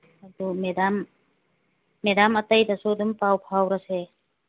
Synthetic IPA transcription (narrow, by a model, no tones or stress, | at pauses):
ɐd̪umedam | edamɐtɐjdasudumpawpʰawɾase